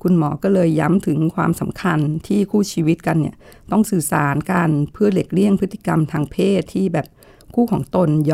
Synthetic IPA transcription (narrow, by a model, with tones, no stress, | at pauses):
kʰu˧nmɔː˩˦kɔː˥˩lɤː˧jːa˧˦˥mt̪ʰɯ˩˦ŋkʰwa̰ː˧msa˩˦mkʰa˧nt̪ʰiː˥˩kʰuː˥˩t͡ɕʰiː˧wi˦˥t̪̚ka˧nːi˥˩ɐt̪ɔ˥˩ŋsɯː˨˩saː˩˦nkaː˧npʰɯ˥˩ɐle˨˩k̚li˥˩əŋpʰɯ˦˥t̪ʰːi̥˧ka˧mt̪ʰaː˧ŋpʰeː˥˩t̪ʰːiː˥˩bɛː˨˩p̚ | kʰuː˥˩kʰɔː˩˦ŋt̪o˧nj